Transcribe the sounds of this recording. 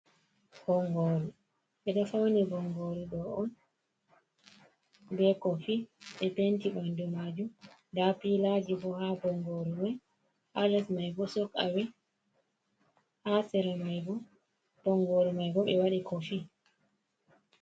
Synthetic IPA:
hɔŋɡoːɾu | ɓɛɗɔfawnibɔŋɡoɾuɗɔɔn | bɛkɔfiɓɛpentibandumad͡ʒumdapilad͡ʒibɔhabɔŋɡoɾumaj | ʔalɛsmajbɔsɔka̰wɛ | hasɛɾɛmajbɔ | b̥ɔŋɡoɾumajɡɔɓɛwaɗikɔfi

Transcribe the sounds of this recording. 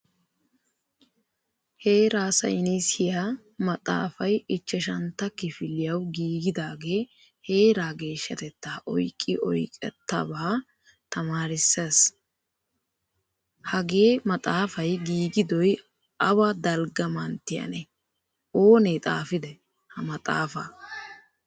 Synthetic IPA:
he̞ːɾaːsɐ̰jnisɪja | mɐt̪ʼa̰ːfɐjɪt͡ʃːɛʃɐnt̪ːɐkːɪfɪlːɪjɐwɡiːɡɪd̪aːɡe̞ː | he̞ːɾaːɡe̞ːʃːɐ̰t̪ɛt̪ːaːʔɔjkʼːɪʔɔjkʼɛ̰t̪ːɐ̰baː | t̪ɐmaːɾɪsːes | hɐɡe̞ːmɐt̪ʼaːfɐjɡiːɡɪd̪ɔj | ʔɐwɐd̪ɐlɡɐmɐnt̪ɪjɐ̰nɛ | o̞ːneːt̪ʼa̰ːfɪd̪ɛ | hɐmɐt̪ʼa̰ːfɐ̰

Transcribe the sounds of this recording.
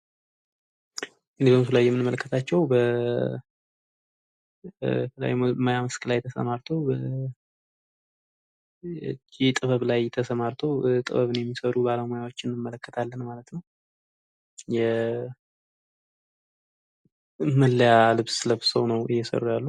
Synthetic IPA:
ʔɨnded̪oms̬ulajːɛmɨnɨmːələkʰːət̪ʰat͡ʃːɛwbə | la̰mojaməskʰɨlajt̪ʰəsə̰maɾt̪ʰowb | t͡ʃːit̪ʼɨβəβlajt̪ʰəsəmaɾt̪ʰowt̪ʼɨ̰βəβɨnjɛmːisəɾubaləmojawot͡ʃːɪnːɨmːələkːət̪ʰalːənmalət̪nəw | jɛ | mɨlːjalɨβsɨləβsəwnəwɨ̰jːɛsə̰rːujalːu

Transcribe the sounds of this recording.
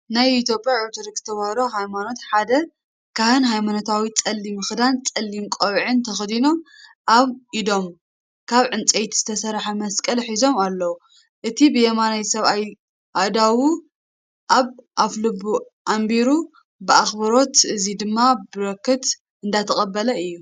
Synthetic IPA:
najit̪jo̞pʼjaʕuɾt̪ʰoɾikz̥ɨ̥t̪ʰɐβɐhɾoɦajmano̞t̪ħad̪ɐ | kʰahɨnɦajmano̞t̪ʰawit͡sʼɐlːimɨxd̪ant͡sʼɐlːimkʷʼoβʕɨnt̪ʰɐxd̪ino̞m | ʔaβʔid̪o̞m | kʰaβʕɨnt͡sʼejt̪z̥ɨt̪ʰɐsɐɾħamɐskʼɐlħizo̞malːɐwu | ʔɨt̪ʰibɨjemanajsɐβaj | ʔad̪awu | ʔaβʔaflɨbːu | ʔambiɾu | bɨaxbɐɾo̞t̪ɨzid̪ɨmːabɨɾɐkːɨt̪ | ʔɨnd̪at̪ʰɐxʼɐbːɐlɐɨjːu

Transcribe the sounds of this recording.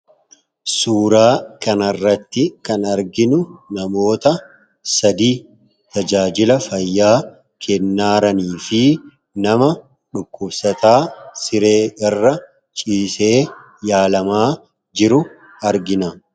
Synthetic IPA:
suːɾaːkɐnɐrːɐt̪ːɪkɐnɐɾɡɪnʊnɐmo̞ːt̪ɐ | sɐd̪iː | t̪ɐd͡ʒaːd͡ʒɪlɐfɐjːaː | kʰɛnːaːɾɐniːfɪ | nɐmɐ | ᶑʊkːʊbsɐt̪aːsɪɾe̞ːɡɐrːɐ | t͡ʃʼiːse̞ː | jaːlɐmaː | d͡ʒɪɾʊ | ɐɾɡɪnɐ

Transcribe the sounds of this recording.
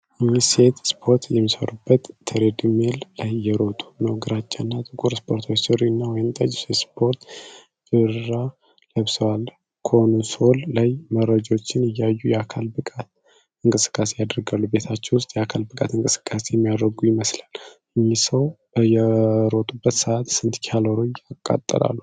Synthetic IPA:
ɲːise̞t̪spʰo̞ɾt̪jɛmːisə̰ɾubːət̪ʰːəɾed̪ɨmellajːɛɾo̞t̪ʼu̥nəwɡɨɾat͡ʃʼːanːat̪ʼɨkʼuɾspʰo̞ɾt̪ʰawsɨɾinːawɔjɪmt̪ʼəd͡ʒsespʰo̞ɾt̪ | bɨɾɾa | ləβsəwal | kʰonso̞lːajməɾəd͡ʒo̞t͡ʃːɪnɨjːajːujɛakʰalbɨkʼat̪ | ɨŋkʼɨsɨ̥kʼːase̞jad̪ɾɡalːube̞t̪ʰat͡ʃːɛwʊst̪ʼjɛakʰalbɨkʼa̰t̪ɨŋkʼɨ̥sɨ̥kʼːasejɛmːijad̪ɾəɡujɪməslal | ɨɲːisəw | jɛɾo̞t̪ʼubːət̪səʔat̪sɨnt̪kʰaloɾojakʼːa̰t̪ʼːə̰la̰lːu

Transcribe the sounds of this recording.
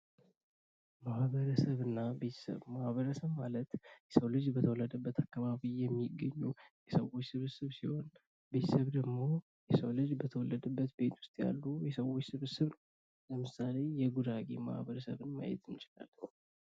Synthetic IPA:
mahβəɾəsəβɨnːabe̞t̪ʰə̥sə̰βmahβəɾəsəβmalət̪jɛsəwlɨd͡ʒbət̪ʰəwɔlːəd̪əbːət̪ʰakːaβaβijɛmːiɡːəɲːujɛsəwot͡ʃːsɨβɨsɨβsiho̞n | be̞t̪ʰəsəβd̪əɡmo̞ | jɛsəwlɨd͡ʒbət̪ʰəwɔlːəd̪əbːət̪be̞t̪ʰwʊ̥st̪ʼja̰lːujɛsəwo̞t͡ʃːsɨβɨsɨβnəww | ləmɨsale̞jɛɡud̪aɡḛma̰hβəɾəsəβɨnma̰jɛ̰t̪ʰɨmt͡ʃʼɪla̰l

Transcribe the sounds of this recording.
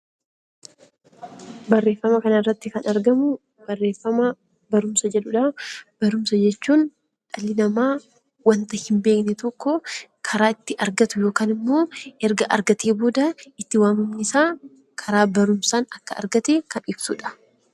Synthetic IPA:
bɐrːe̞ːfːɐmɐkɐnɐɪrːɐt̪ːɪkɐnɐɾɡɐmʊ | b̥ɐrːe̞ːfːɐmɐ | bɐɾʊmsɐd͡ʒɛᶑʊᶑɐb̥ɐɾʊmsɐd͡ʒɛt͡ʃːuːn | ᶑɐlːɪnɐmaː | wɐnt̪ɐhɪmbe̞ːknɛt̪ɔkːɔkʰɐɾaːɪt̪ːɪʔɐɾɡɐt̪ʊjo̞ːkaːnɪmːo̞ːɛɾɡɐʔɐ̰ɾɡɐt̪eːboːd̪ɐɪt̪ːɪwaːmɪmnɪsaː | kʰɐɾaːbɐɾʊmsaːnɐkːɐɐ̰ɾɡɐt̪eːkɐnɪb̥sʊᶑɐ̥

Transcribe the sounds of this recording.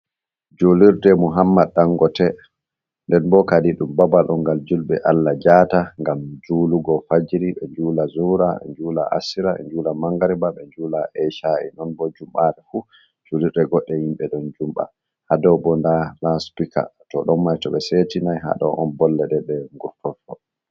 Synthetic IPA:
d͡ʒoliɾdɛmuɦamːaɗːaŋɡɔtɛ | ndɛnbɔkadiɗumbabalʔɔŋɡald͡ʒulɓɛ̰ʔalːad͡ʒataŋɡamd͡ʒuːluɡɔfad͡ʒiɾiɓɛɲd͡ʒuːlazuɾaɛ̰ɲd͡ʒuːla̰ʔa̰siɾaɛ̰ɲd͡ʒuːlamaŋɡaɾibaɓɛɲd͡ʒuːlaʔɛʃaʔḭnɔnbɔd͡ʒumɓaɗɛfu | t͡ʃuliɛɡɔɗːɛhimɓɛɗɔnd͡ʒumɓa̰ | hadɔbɔndalaspika̰tɔɗɔmmːajtɔɓɛsetinajɦa̰ɗɔ̰ʔɔnbɔlːɛɗɛɗɛŋɡuɾfɔfɔ

